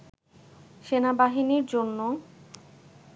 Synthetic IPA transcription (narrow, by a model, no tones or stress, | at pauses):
ʃenabaɦiniɾd͡ʑonːo